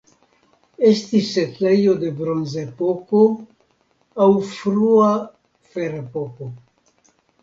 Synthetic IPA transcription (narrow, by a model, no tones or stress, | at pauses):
e̞stisetle̞jo̞d̪e̞bɾonzepoko | awfɾua | feɾepoko